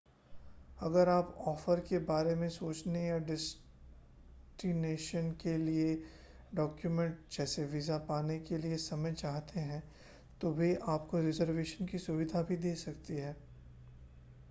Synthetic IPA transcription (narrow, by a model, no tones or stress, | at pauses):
ɐɡəɾaːpɔːfəɾkebaːɾemẽsoːt͡ʃneɔːɾɖɛs | ʈineːʃənkelie | ɖɔːkjumɛ̃ɳʈ̚d͡ʒɛːseʋizapaːnekeliesɐməjt͡ʃaːɦt̪ʰeɦɛ̃ | t̪obʱiaːpkoɾɪzəɾʋeːʃənkisʊʋɪd̪ʱabʱid̪eːsɐkt̪iɦɛː